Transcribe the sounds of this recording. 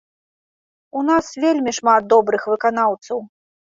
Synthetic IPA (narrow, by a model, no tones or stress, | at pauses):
unasvʲelʲmʲiʂmat̪̚d̪ɔbɾɨxvɨkan̪awt̪sɐw